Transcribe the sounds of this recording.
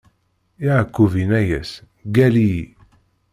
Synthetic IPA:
iʕəkːuvinæjæs | ɡæli

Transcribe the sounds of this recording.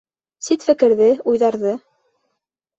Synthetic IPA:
sit̪fɘ̆kɘ̆ɾðɘujðɑɾðɤ

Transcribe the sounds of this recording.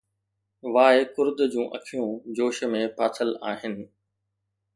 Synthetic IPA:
ʋaːekʊɾd̪d͡ʑũːʔɐ̰kʰijũd͡ʑoːʃmẽpʰaːt̪ʰəlaːɦɪnɪ̆

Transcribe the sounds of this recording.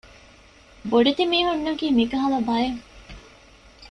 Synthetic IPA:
boɖet̪imiːɦunːɐkiːmikɐɦɐlɐbɐjeŋ

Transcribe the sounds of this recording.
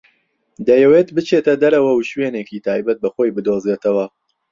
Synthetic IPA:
d̪ɐjɛweːt̪bɨt͡ʃʰeːt̪ɐd̪ɐɾɐwɐwuʃweːnekiːt̪ʰaːjbɐt̪̚bɐxojbɨd̪oːzeːt̪ʰɐwɐ

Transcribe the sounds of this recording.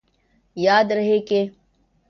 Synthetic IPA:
jaːd̪ɾɐɦeke

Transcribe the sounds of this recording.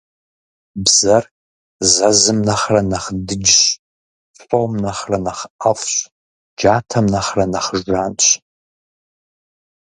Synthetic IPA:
bzɐr | zɐzɨmnɐχrɐnɐχdɨd͡ʒɕ | fʼowmnɐχrɐnɐχʔɐfɕ | d͡ʒaːtʰɐmnɐχrɐnɐχəʒʒʷaːnt͡ʃʷʼ

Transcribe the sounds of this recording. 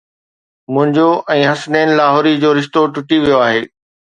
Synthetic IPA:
mʊ̃ɦɪ̃ɲd͡ʑoʔɛ̃ːɦɐsneːnɪ̆laːɦɔːɾid͡ʑoːɾɪʃt̪oʈʊʈiʋijoaːɦeː

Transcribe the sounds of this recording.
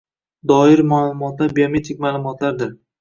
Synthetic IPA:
d̪ɒɪɾmaːlˠʊmɒt̪labiome̞t̪ʰɪk̚ʲmaːlˠʊmɒt̪ʰlaɾd̪ɪɾ

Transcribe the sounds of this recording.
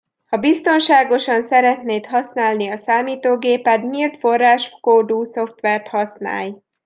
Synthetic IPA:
hɒbist̪o̞nʃaːɡo̞ʃɒnsɛɾɛt̪neːt̪ɦɒsnaːlniɒsaːmiːt̪oːɡeːpɛt̪ɲilt̪fo̞rːaːʃkoːd̪uːso̞ft̪ʋɛrt̪hɒsna̰ːj

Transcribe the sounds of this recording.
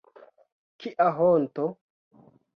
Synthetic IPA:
kiʔaɦonto

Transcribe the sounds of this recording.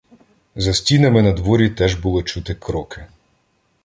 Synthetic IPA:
zɐsʲtʲinɐmɪnɐd̪ʋɔɾʲit̪ɛʒbʊlˠɔt͡ʃut̪ɪkɾɔkɪ

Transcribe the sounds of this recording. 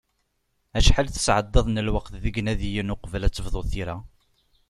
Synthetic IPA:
æʃħalθə̥sʕəd̪ˤːɑðˤnəlwɑqθðəɡnæðijənʊqvlæt͡sːəvðˤoθiɾæ

